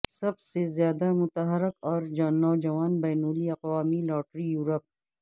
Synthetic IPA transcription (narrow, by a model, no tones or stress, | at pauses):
sɐbsezjaːd̪amʊt̪əɦəɾɪkɔːɾd͡ʒnɔːd͡ʒɐʋaːnbɛːnoːliɐqʋaːmilɔːʈɾijuːɾəp̚